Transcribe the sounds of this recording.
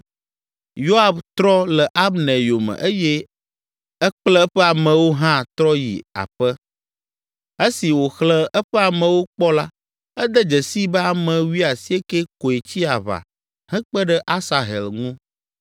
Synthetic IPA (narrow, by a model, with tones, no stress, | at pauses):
jo˦a˨bt̪ɾɔ˦lɛ˨ʔa˦bnɛ̃˨jo˨mɛ̰˨ʔe˦jɛ˦ | ɛ˦k͡plɛ˦ɛ˦ɸɛ˦a˨mɛ̃˨wo˦ɦã˦t̪ɾɔ˦jḭ˨a̰˨ɸə˦ | e˦si˨wo˨xlə˦ɛ˦ɸɛ˦a˨mɛ̃˨wo˦k͡pɔ˦la˦ | ɛ˦d̪ə˦d͡ʒə˨si˦bɛ˦a˨mɛ̃˨wi˦a˨si˦e˦ke˦ko˨e˨t͡ɕi˦a˨βa̰˨ | hɛ̃˦k͡pə˦ɖɛ˦ʔa˦sa˨ɦɛ̰˨lŋũ˦